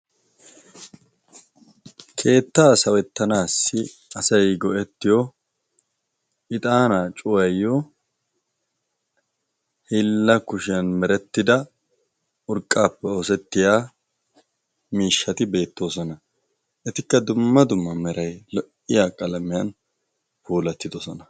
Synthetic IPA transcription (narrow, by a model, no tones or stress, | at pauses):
kʰe̞ːt̪ːaːsɐwɛt̪ːɐnaːsːɪ | ɐsɐjɡɔʔɛt̪ːɪjɔ | ɪt̪ʼaːnat͡ʃʼʊwɐjːɔ | hɪlːɐkʊʃɪjɐnmɛɾɛt̪ːɪd̪ɐ | ʊɾkʼːaːpːɛosɛt̪ːɪjaː | miːʃːɐt̪ɪbe̞ːt̪ːo̞ːsɔnɐ | ʔɛt̪ɪkːɐd̪ʊmːɐd̪ʊmːɐmɛɾʔɐjlɔʔɪjaːkʼɐlɐmɪjɐn | fuːlɐt̪ːɪd̪ɔsɔnɐ